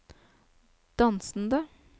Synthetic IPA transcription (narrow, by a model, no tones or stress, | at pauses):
d̪̥ɑnsn̩d̪ə